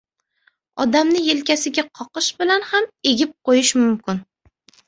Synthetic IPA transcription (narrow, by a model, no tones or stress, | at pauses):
ɒ̰d̪amnɪjelkʲasɪɡʲaqʰɒqɨʃbɪlanhame̞ɡʲɪp̚qojɪʃmʊmkʲɪn